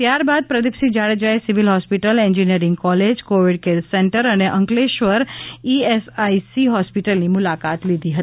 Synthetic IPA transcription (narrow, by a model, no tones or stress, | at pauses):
t̪jaɾbad̪̚pɾəd̪ipsid͡ʒaɽəd͡ʒaesiʋilɦɔspiʈəlẽɲd͡ʒinijəɾɪ̃ŋɡkɔled͡ʒkoʋiɽkelseɳʈəɾəneʔə̃ŋkleʃʋəɾiesaisiɦɔspiʈəlnimulakat̪lid̪ʱiɦət̪ii